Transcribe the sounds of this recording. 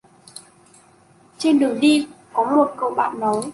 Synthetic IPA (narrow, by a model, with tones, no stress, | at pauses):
t͡ɕe˧nɗɨ˨˩əŋɗi˧kɔ˨˦mo˨˩t̚kə̰˧˨wɓa̰ː˧˨nnɔ˨˦j